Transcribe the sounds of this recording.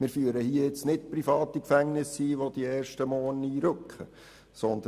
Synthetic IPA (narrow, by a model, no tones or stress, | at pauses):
mɪːɾfyːəɾəhiəɪt͡snɪtprifɑːt̪ikfæŋnɪsiʋod̥̪iɛːrʃtəmɔːniːɾøkχə | sɔnd̪ə